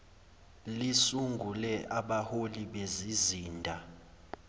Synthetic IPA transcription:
lisuŋɡʱulɛʔaɓaholiɓeziziːndʱa

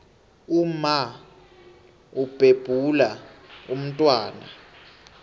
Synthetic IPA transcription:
uma | ub̥ʱeb̥ʱulaum̩tʼwaːna

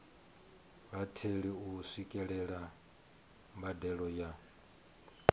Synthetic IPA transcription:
βatʰeɺiusikʼɛɺɛɺa | mbadɛɺɔja

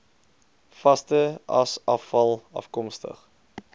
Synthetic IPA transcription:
fɐstəɐ̰sɐfɐlˠɐ̰fkɔmstə̰χ

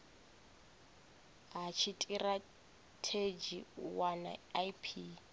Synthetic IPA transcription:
ɦat͡ʃʰitʼira | tʰed͡ʒiwana̰jpʰi

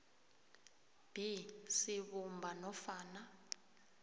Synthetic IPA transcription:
b̥ʱisiɓumbʱanɔfaːna

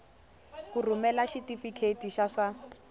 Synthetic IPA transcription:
kur̤umɛlaʃitifikʰetiʃaʂa

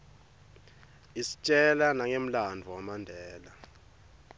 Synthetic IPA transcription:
isi̥t͡ʃʼɛlanaŋem̩landʱuwamandʱɛːla

